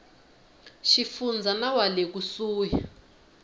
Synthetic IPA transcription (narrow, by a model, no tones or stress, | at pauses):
ʃifund͡zʱanawalek̬usuːja